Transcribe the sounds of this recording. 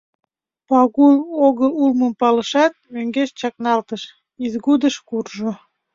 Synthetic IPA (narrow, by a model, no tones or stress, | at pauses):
pɑɣuloɣəulməmpɑləʃɑt̪̚møŋɡeʃt͡ɕɑknɑlt̪əʃ | izɣud̪əʃkurʒo